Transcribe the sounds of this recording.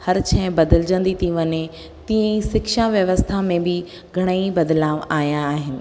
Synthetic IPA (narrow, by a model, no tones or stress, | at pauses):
hɐɾt͡ɕʰɛ̃ɦbɐd̪əld͡ʑə̃nd̪it̪ʰiʋɐɲe | t̪ĩə̃ĩsɪkʃaʋjɐʋəst̪ʰamẽbɪ | ɡʱɐɽ̃əibɐd̪laːʋaːjãːɦɪnɪ̆